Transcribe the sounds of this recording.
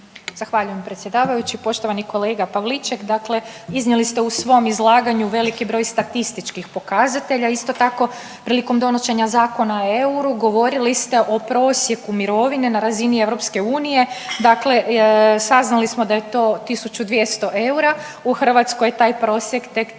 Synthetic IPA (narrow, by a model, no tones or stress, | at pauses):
z̥axʋaʎuje̞mpɾet̪sʲje̞d̪aːʋajut͡ɕipo̞ʃt̪o̞ʋaniko̞leːɡapaʋlit͡ʃekd̪akle̞iznelist̪e̞usʋo̞mizlˠaːɡaɲuʋe̞likibɾo̞jst̪at̪ist̪it͡ʃkixpo̞kazat̪e̞ʎaist̪ot̪ako̞ | pɾiːliko̞md̪o̞noʃe̞ɲazaːko̞nae̞uɾuɡo̞ʋo̞ɾilist̪e̞ʔo̞pɾo̞ːsje̞kumiɾo̞ʋine̞naɾazinie̞ʋɾo̞pske̞uːnije̞d̪akle̞saznalismo̞d̪aje̞t̪o̞ːt̪isut͡ɕud̪ʋje̞st̪o̞ʔe̞uɾa | uxər̩ʋat̪skojet̪aːjpɾo̞ːsje̞kt̪ek